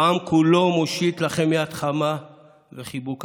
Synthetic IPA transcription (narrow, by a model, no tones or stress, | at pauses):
amkʰulo̞moʃit̪laχe̞mjat̪χama | veχibuk